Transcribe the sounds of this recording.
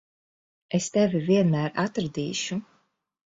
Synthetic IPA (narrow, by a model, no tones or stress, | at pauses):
est̪ɛvʲiviɛnmæːɾat̪ɾɨd̪ḭːʃu